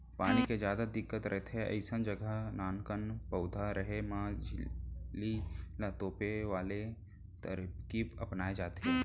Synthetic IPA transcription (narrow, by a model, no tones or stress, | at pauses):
paːniked͡ʒjaːd̪ad̪ɪkːət̪ɾʔəɦt̪ʰeɐ̰ɪsənd͡ʒəɡəɦnaːnkənpɐʊd̪ʱaɾəɦemãːd͡ʒʱlilat̪oːpeʋaːle | t̪əɾkipɐpnaːed͡ʒaːt̪ɦe